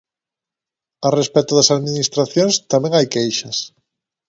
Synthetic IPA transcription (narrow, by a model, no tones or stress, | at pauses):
arespɛt̪ʊðɐsaðminist̪ɾaθjõŋst̪amẽŋajkejʃɐs